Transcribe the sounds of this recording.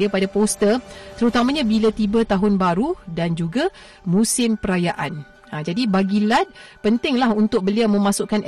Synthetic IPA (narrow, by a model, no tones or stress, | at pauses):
iapadapost̪ət̪əɾut̪amãɲãbilat̪ibət̪aɦʊnbaɾudand͡ʒuɡa | mũsɪmpəɾajaʔan | ad͡ʒadibaɡilat̪̚pənt̪ɪŋlahunt̪ʊk̚bəliawmə̃mãsʊʔkan